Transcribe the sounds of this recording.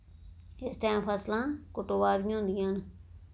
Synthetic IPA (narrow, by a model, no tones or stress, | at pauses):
ɪsʈaːmpʰəslãːkoʈoːʋaːɾĩɦʊ̃ːnd̪ijaːn